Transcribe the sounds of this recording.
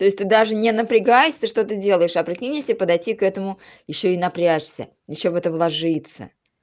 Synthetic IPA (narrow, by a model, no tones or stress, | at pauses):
t̪o̞ɪsʲt̪ɨd̪aʐɨnʲɪnəpɾʲɪɡajɪsʲt̪ɨʂt̪o̞t̪ədʲe̞lˠəjɪʂɐpɾʲɪkʲinʲɪsʲipəd̪ɐjtʲikɛt̪əmʊ | jɪɕːo̞ɪnɐpɾʲaʂsʲə̰ | jɪɕːovɛt̪əvlˠɐʐɨt̪sə̰